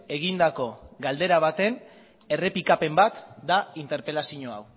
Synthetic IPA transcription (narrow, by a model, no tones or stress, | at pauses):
e̞ɣind̪ako̞ɡald̪e̞ɾaβ̞at̪e̞n | e̞re̞pikape̞mbat̪d̪aint̪e̞ɾpe̞lasiɲoaw